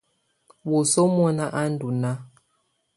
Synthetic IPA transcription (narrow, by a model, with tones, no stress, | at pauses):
wo˨so˦m˦ɔ˦na˦ʔa˦n̩˦du˨na˦